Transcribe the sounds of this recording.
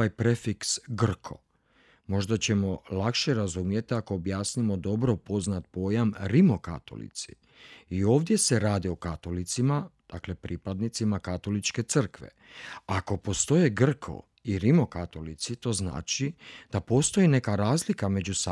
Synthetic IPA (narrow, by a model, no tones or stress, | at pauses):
ajpɾe̞fiksɡr̩kʰo̞̰ | mo̞ʒd̪at͡ɕe̞mo̞lakʃeɾazumje̞t̪iako̞ːbjaːsnimo̞d̪o̞bɾo̞po̞znat̪̚po̞jamɾimo̞ka̰t̪o̰lḭt̪sḭ | io̞ːʋd̪je̞se̞ɾaːd̪iokat̪o̞lit̪simad̪̥akle̞pɾipad̪nit̪simakat̪o̞lit͡ʃke̞t̪sər̩kʋḛ | ako̞po̞st̪o̞jeɡr̩kʰo̰ | iɾimo̞kat̪o̞lit̪sit̪o̞ːzna̰ːt͡ʃid̪̥apo̞st̪o̞jine̞kaɾaːzlikame̞d͡ʑusa